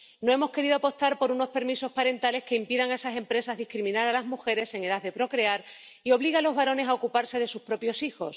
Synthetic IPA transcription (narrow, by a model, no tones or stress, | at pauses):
no̞e̞mo̞ske̞ɾiðoapo̞st̪aɾpo̞ɾuno̞spe̞ɾmiso̞spaɾe̞nt̪ale̞hke̞impiðaŋaesase̞mpɾe̞sazðihkɾimĩnaɾalazmuxe̞ɾe̞se̞ŋe̞ðaðe̞pɾo̞kɾe̞aɾ | io̞β̞liɣalo̞zβaɾo̞ne̞saokupaɾse̞ðe̞suspɾo̞pjo̞sixo̞s